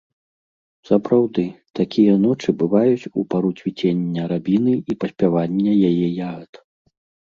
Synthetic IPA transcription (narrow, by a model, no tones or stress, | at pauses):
sɐpɾawd̪ɨt̪akʲijɐnɔt͡ʂɨbɨvajut͡sʲupaɾut͡sʲvʲit͡sʲenʲːɐɾabʲinɨipɐsʲpʲavanʲːɐjajɛjaɣɐt̪